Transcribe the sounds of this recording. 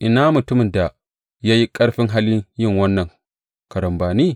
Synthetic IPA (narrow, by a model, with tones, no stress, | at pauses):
ʔɪ˨naː˦mʊ˨tʊ˦mɪ˨nda˨ | jaː˦ji˦kʼɐ˦ɽɸɪ˦ŋɦa˦lji˦jɪ˦˨ŋwɐ˦nːɐ˨ŋ | kɐ˨ɾɐ˨mbaː˨ni˦